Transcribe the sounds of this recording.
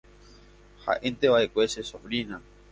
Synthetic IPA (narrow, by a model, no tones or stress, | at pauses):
ha̰ʔent̪e̞βaʔekʷesesofɾina